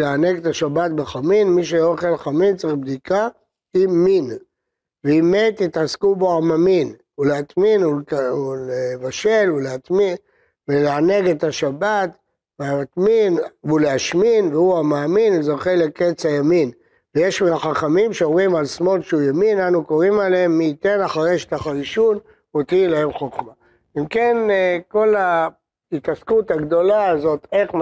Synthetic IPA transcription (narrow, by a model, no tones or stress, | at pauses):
leane̞ɡet̪aʃabat̪̚beχaminmiʃeoχelχamint͡sʁibd̪ika | iːin | beːmet̪it̪askuboamamin | uleat̪minuulevaʃe̞luleat̪min | veleane̞ɡe̞t̪aʃabat̪ | veaat̪minvuleaʃminveuamaːminezo̞χeleket͡sajamin | veje̞ʃmiaχaχamimʃeomʁimalsmo̞lʃeujaminanukoʁimalemːiːt̪e̞naχaʁeʃe̥t̪aχaʁiʃun | ot̪ilahe̞mχoχma | imke̞nko̞la | hit̪askut̪haɡd̪o̞laːzo̞te̞χ